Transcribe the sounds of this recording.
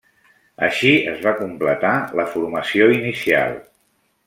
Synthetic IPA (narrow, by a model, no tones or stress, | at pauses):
əʃiəzβakumplət̪aləfuɾməsioinisia̰lˠ